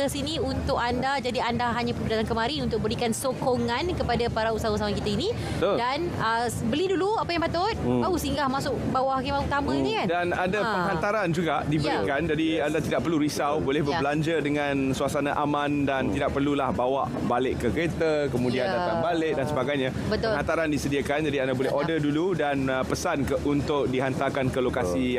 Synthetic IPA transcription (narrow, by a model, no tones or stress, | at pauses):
əsiniunt̪ʊkandad͡ʒadiandaɦaɲapupədat̪aŋkəmãɾinunt̪ʊk̚bəɾikansokoŋãnkəpadapaɾausaɦausaɦakit̪ainĩ | t̪odan | əbəliduluapajaŋpat̪ʊt̪̚bausiŋɡahmasʊʔbawahakimauut̪amə̃inĩkandanadapəɦant̪aɾand͡ʒuɡadibəɾikand͡ʒadiandat̪idaʔ̚pərluɾisawbolɛhbəblaɲd͡ʒədəŋansuasanaʔamãndant̪idaʔ̚pərlulahbawaʔ | balɪʔkːəkɾet̪akəmũdiandaanbalɪk̚dansəbaɡajɲã | bət̪ʊhant̪aɾandisədiakand͡ʒadiandabolɛɦʔɔdəduludanpəsankəʔunt̪ʊk̚diɦant̪akankəlokasi